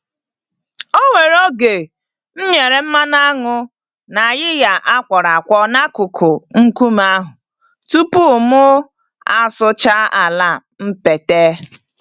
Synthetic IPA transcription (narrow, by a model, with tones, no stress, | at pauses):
o˦ŋʷe˨ɾo˦ɡe˨ | n̩˦ɲe˨ɾe˨m̩˦ma˦na˦ŋʊ˦ | na˨a˨jɪ˦ja˨ʔa˦kʷɔ˨ɾa˨kʷɔ˦na˦kʊ˨kʰʊ˨ŋ̩˦ku˦m˦a˦ɦʊ˨ | tu˦pu˦˨mʊ˦ | a̰˨sʊ˦t͡ʃa˦a˨la˦˨ | m̩˦pe˨te˦